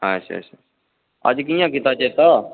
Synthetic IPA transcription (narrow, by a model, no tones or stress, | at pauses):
ɦaət͡ʃʰa̰ə̰t͡ʃʰa | ə̰d͡ʒkijãːkɪt̪aːt͡ʃeːt̪aː